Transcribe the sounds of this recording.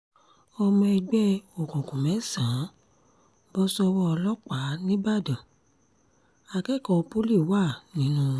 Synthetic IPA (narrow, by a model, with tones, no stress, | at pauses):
ɔ˧mɔ̃˧i˧ɡ͡bɛ˦o˨kɔ̃˨kũ˨mɛ̃˨˦sã˨˦ | bɔ˧˦sɔ˧wɔ˦ɔ˧lɔ˦k͡pa˨˦nĩ˦ba˦˨dɔ̃˨ | a˧˨kɛ˦˨kɔ̃˨˧po˦li˦˨wa˦˨nĩ˨˦nũ˦